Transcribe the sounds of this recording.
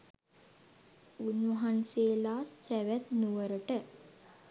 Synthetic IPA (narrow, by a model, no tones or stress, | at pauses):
unʋɐɦanseːlaːsːæʋæt̪nuʋəɾəʈə